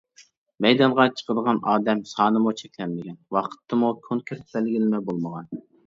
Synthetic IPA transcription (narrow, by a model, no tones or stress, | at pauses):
mɛjd̪ɑɴʁɑt͡ʃʰə̥qəd̪əʁɑnɑːd̪ɛmsɑːnɨmut͡ʃʰɛkʲlɛnmɪɡʲɛnwɑqʰə̥t̪ʰːɨmukʲʰoŋkʲʰɾt̪̚bɛlɡʲilɪmɛbolˠməʁɑn